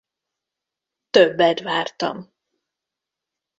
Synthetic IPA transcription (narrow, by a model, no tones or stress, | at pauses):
t̪øbːɛt̪vaːrt̪ɒ̰m